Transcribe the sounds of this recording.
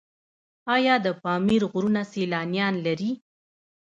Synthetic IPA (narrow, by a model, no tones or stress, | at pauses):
ɑjɑd̪əpɑmiɾɣɾunaselɑnjɑnlaɾi